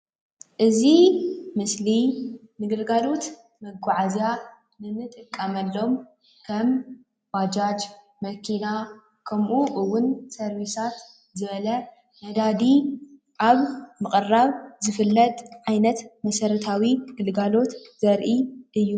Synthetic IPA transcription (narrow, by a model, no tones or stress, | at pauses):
ʔɨzimɨslinɨɡɨlɡalo̞t̪ | mɐɡaʕazia | nɨnɨt̪ʼɨkʼːɐmɐlːo̞m | kʰɐm | wad͡ʒad͡ʒ | mɐkʰina | kʰɐmʔuʔɨwːʊnsɐɾwisat̪ | zɨβɐlɐ | mɐd̪ad̪i | ʔaβmɨχʼɨrːaβzɨfɨlːɐt̪ʼʕajnɐt̪mɐsɐɾɐt̪ʰawiɡɨlɡalo̞t̪zɐɾʔiʔɨjːu